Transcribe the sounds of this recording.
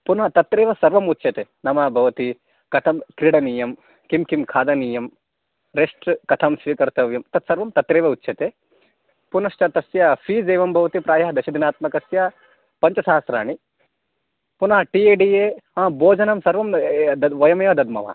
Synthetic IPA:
punɐɦɐt̪ɐt̪ɾeːʋɐsɐɾʋɐmut̪ːʃʰɐt̪enɐmɐbʱɐʋɐt̪i | kɐt̪ʰɐmkɾiɽɐniːjɐm | kimkimkʰaːd̪ɐniːjɐm | ɾeʂʈkɐt̪ʰɐmsʋikɐɾt̪ɐʋjɐmt̪ɐt̪sɐɾʋɐmt̪ɐt̪ɾeːʋɐut̪ːʃʰɐt̪e | punɐʃt͡ʃɐt̪ɐsjɐfʰiːd̪eːʋɐmbʱɐʋɐt̪ipɾaːjɐɦd̪ɐʃɐd̪inaːt̪mɐkɐsjaː | pɐɲt͡ʃɐsaːɐsɾa̰ːɳi | punɐɦɐʈieːɖiːjeɐ̃ːboːd͡ʒɐnɐmsɐɾʋɐmd̪ɐʋɐjɐmɐjɐd̪ɐd̪mɐ̰ʋa̰ː

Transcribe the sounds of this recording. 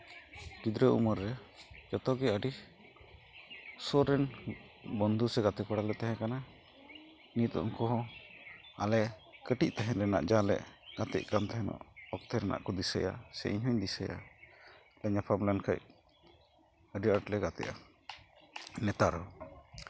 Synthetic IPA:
ʈid̪ɾəṵməɾːɛd͡ʒɔt̪ɔɡɛəɖi | sɔɾɛn | bɔnd̪ʱusɛɡat̪ɛkɔɽalɛt̪aɦɛ̃kana | init̪ɔ̰ʔɔŋkɔɦɔ̃ | alɛkəʈic̚t̪ɛɦɛ̃ɾɛna̰ʔd͡ʒalɛ̰ʔɡ̥at̪ɛ̰ʔ̚kant̪ɛɦɛnɔ̰ʔɔk̚t̪ʰɛɾɛna̰ʔkɔd̪isəja̰sɛ̰ʔḭɲɦɔɲd̪isəja̰ | lɛɲapʰablankʰaj | əɖiəɾʈlɛɡat̪ɛ̰ʔa | nɛt̪aɾhɔ

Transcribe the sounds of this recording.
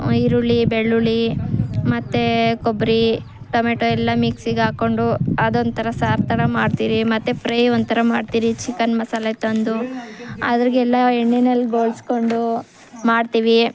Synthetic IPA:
iɾuɭibeɭːuɭimɐt̪ːekobɾi | ʈomeʈoɛlːɐmiksiɡaːko̞ɳɖuɐd̪ont̪ʰɐɾɐsaːɾt̪ɐɾɐmaːɖt̪iːɾimɐt̪ːepɾɐjont̪ʰɐɾɐmaːɖt̪iːɾit͡ʃikɐnmɐsalet̪ɐnd̪uɐ̰d̪ɐɾiɡɛlːɐeɳːinelːɡo̞ːlsko̞ɳɖu | maːɖt̪iːʋi

